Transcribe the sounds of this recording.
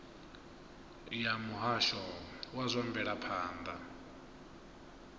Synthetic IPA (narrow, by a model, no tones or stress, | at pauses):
jamuɦaʃɔwazʷambɛɺapʰaːnd̪a